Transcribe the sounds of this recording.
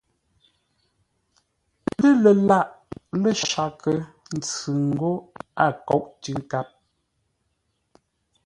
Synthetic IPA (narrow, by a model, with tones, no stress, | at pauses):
lə˦lə˨la˦˨ʔlə˦ʃa˨kə˨n̩˨t͡sʉ˨ŋ̩˨ɡo˦a˦˨kɔ˨˦ʔtʉ˦ta˦p̚